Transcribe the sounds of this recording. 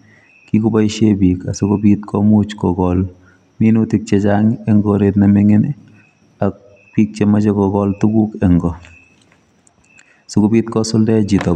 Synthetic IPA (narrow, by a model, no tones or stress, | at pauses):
kikubaʃebika̰sukobitkʰɔmut͡ʃkɔɡɔl | minutik̚t͡ʃet͡ʃaŋɛŋɡɔɾetnameŋen | ak̚ | piːk̚t͡ʃemat͡ʃekɔɡɔltukukɛŋɡɔ | sukobitkɔsʊldɛd͡ʒitɔ